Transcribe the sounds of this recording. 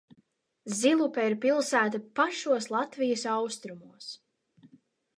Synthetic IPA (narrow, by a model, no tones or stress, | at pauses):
zilˠupɛiɾpilˠsæːt̪apaʃuɔslˠat̪vijəsawst̪ɾumuɔs